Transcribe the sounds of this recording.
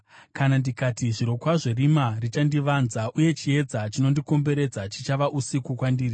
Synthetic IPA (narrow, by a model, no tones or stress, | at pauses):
kanandikatiʐiɾo̞kwaʐerimarit͡ʃandiʋanzaʔuje̞t͡ʃie̞d͡zat͡ʃino̞ndiko̞mbe̞ɾe̞d͡zat͡ʃit͡ʃaʋaʔusikukwandiːri